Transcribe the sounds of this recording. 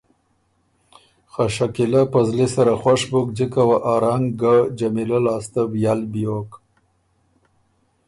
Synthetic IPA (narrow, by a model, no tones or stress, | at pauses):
xaʃakilapazlisaɾaxwaʂbuk̚d͡ʒikawaʔɑɾaŋɡɡad͡ʒamilalɑːst̪abjalbijok